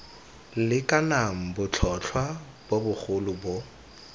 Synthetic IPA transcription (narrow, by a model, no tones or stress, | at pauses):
lɪkʼanaŋ̩bʊt͡ɬʰɔt͡ɬʰwa | b̥obʊχʊlʊbʊ